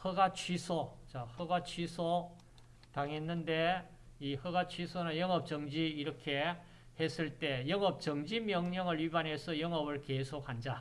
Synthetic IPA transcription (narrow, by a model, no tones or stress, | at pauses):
hʌɡat͡ɕʰwisʰot͡ɕahʌɡat͡ɕʰɥisʰo | taŋɦenːɯnde̞ | ihɯɡat͡ɕʰɥisʰonanjʌŋɦʌp̚t͡ɕʌŋd͡ʑiːɾʌkʰe̞ | hes͈ɯɭt͈e̞jʌŋɦʌp̚t͡ɕʌŋd͡ʑimjʌŋɲʌŋɯɭɥibanɦe̞sʰʌjʌŋɦʌbɯɭkesʰok̚hand͡ʑa